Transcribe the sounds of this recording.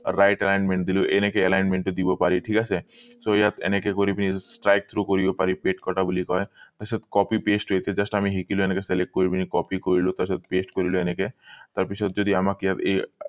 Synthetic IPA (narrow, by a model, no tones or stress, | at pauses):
ɾajʈelajnmeɳʈ̚d̪iluʔenekeelajnmeɳʈed̪ibopaɾiʈʰikasʰesoejat̪ḛnekekoɾibinisʈɾajk̚t̪ʰɾukoɾibepaɾipeʈkɔʈabulikɔet̪aɾsat̪kɔpipesʈɦojt̪ʰied͡ʑasʈaamiɦikiloenekeselekʈ̚koɾibinikɔpikoɾilot̪asat̪̚pesʈkoɾiloeneket̪aɾpit͡ɕʰɔt̪̚d͡ʒod̪iamakejat̪e